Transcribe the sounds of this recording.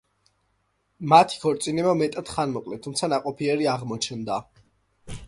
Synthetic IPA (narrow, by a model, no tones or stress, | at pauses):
mat̪ʰi̥kʰɔɾt̪sʼinɛbamɛt̪ʼad̪̥χanmɔkʼlɛt̪ʰːumt̪sʰanaqʼɔpʰiɛɾiaʁmɔt͡ʃʰɛnd̪a